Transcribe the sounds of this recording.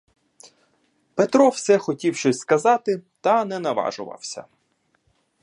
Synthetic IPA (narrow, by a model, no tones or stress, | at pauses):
pet̪ɾɔwsɛxɔtʲiwʃɔsʲskɐzɑt̪ɪt̪ɐnɛnɐʋɑ̰ʒʊ̰ʋɐ̰wsʲɐ̰